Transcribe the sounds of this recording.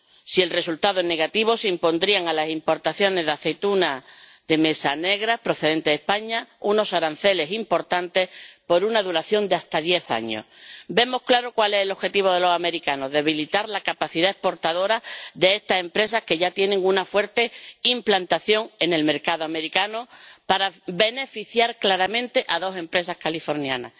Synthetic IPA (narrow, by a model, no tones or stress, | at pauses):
sie̞lre̞sult̪aðoene̞ɣat̪iβ̞o̞seimpo̞nd̪ɾiaŋalasimpo̞ɾt̪aθjo̞nezðaθe̞jt̪una | ðe̞me̞sane̞ɣ̞ɾahpɾo̞θe̞ðe̞nt̪eðepaɲauno̞saɾan̟θe̞le̞simpo̞ɾt̪ant̪e̞hpoɾunaðuɾaθjo̞nd̪east̪aðje̞θa̰ɲo̞̰be̞mo̞hklaɾokwale̞selo̞xe̞t̪iβ̞o̞ð̞e̞lo̞same̞ɾikano̞ðeβ̞ilit̪aɾlakapaθiðae̞hpo̞ɾt̪aðo̞ɾaðe̞est̪ase̞mpɾe̞sahke̞ʝat̪je̞neŋunafwe̞ɾt̪e̞implant̪aθjo̞ŋe̞ne̞lme̞ɾkaðoame̞ɾikanopaɾabe̞ne̞fiθjaɾklaɾamẽ̞nt̪e̞ʔaðo̞se̞mpɾe̞sahkalifo̞ɾnjana̰